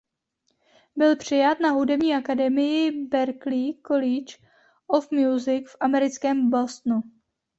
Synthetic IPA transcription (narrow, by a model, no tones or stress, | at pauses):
bɪlpr̝̥ɪjat̪naɦudɛbɲiːʔakadɛmɪjɪbɛɾklikolɪt͡ʃ | ʔofmjuːzɪkfʔamɛɾɪt͡skɛːmbost̪nu